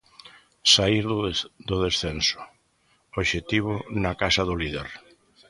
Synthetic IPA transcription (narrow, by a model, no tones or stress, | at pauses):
saiɾd̪ʊðesθensʊ̥ | oʃet̪iβʊnakasɐðʊliðḛɾ